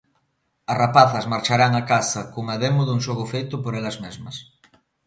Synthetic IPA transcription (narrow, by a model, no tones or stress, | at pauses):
ɐrapaθɐszmaɾt͡ʃaɾaŋakasɐkoŋaðemʊðuŋʃoɣʊfejt̪ʊpoɾɛlɐzmɛzmɐs